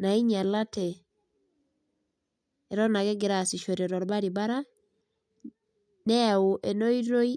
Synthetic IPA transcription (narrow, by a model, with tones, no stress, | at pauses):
na˨i˦ɲa˨la˦tɛ˨ | ɾɔna˨ɡɛ˦ɡɪ˨ɾa˨si˨ʃo˨ɾeɾɔ˨ɾba˦ɾi˨ba˦ɾa˦ | nɛ˦u˨ʔɛ˨no˦iɾo˦i˦